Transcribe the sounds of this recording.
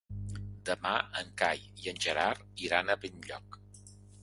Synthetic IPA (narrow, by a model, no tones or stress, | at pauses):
d̪əmaəŋkaj | iənʲʒəɾaɾ | iɾanəβinʎɔ̰k